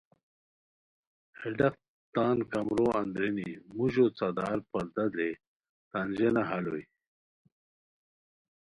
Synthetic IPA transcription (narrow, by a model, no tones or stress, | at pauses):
heɖɐq̚ | t̪aːnkɐmɾoːɐnd̪ɾenimuʑot͡sad̪aːɾpɐɾd̪ɐd̪ɾe | t̪and͡ʑenaɦɐloj